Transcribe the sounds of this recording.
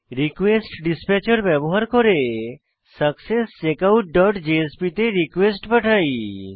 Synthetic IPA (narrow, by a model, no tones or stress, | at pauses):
ɾikʋesʈɖispet͡ʃəɾbɛbɔɦaɾkɔɾe | səksest͡ʃekawʈ̚ɖɔʈd͡ʒeespit̪eɾikʋesʈpəʈʰaj